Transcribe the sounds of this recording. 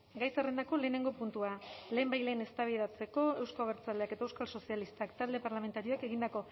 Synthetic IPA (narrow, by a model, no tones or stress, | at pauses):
ɡajsare̞nd̪ako̞le̞ːne̞ŋɡo̞punt̪uale̞ːmbajle̞ːne̞st̪aβið̞at͡se̞ko̞e̞wskoβeɾt͡saleake̞t̪aewskalso̞sialist̪akt̪ald̪e̞paɾlame̞nt̪aɾio̞ake̞ɣind̪ako̞